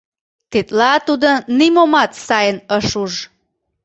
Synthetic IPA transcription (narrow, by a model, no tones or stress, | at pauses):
t̪et̪lɑt̪ud̪ənimomɑt̪sɑjənəʃuʒ